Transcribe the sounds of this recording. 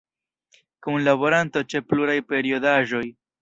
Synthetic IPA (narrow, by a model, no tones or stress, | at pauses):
kunlabo̞ɾanto̞t͡ʃe̞pluɾajpe̞ɾio̞daʒo̞j